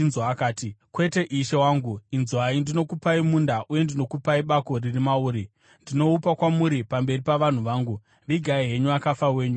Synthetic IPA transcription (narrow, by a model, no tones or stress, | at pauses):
nzwaːkaːtikwe̞te̞ʔiʃe̞waːŋɡuinzwaindino̞kupaimundaʔuje̞ndino̞kupaiɓako̞ririmauːɾi | ndino̞upakwamuɾipambe̞ripaʋan̤uʋaːŋɡu | ʋiɡʱaiɦe̞ɲuakafawe̞ːɲu